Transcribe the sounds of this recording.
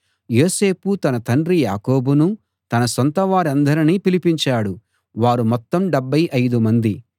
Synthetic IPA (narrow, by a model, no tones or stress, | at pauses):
jo̞ːse̞ːput̪ɐnɐt̪ɐɳɖɾija̰ːkoːbunu | t̪ɐnɐsɔnt̪ɐʋaːɾɐnd̪ɐɾiniːpilipiɲt͡ʃaːɽu | ʋaːɾumɔt̪ːɐmɖebːɐjʔɐjd̪umɐnd̪i